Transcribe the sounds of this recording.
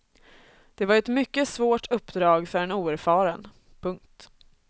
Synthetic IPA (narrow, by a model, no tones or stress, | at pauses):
d̪̥ɛvaɾɛt̪mʏkːəsvoːʈʰɵpːd̪ɾɑːɡfœɾɛnuːæɾfɑːɾən | pʰɵŋkt̪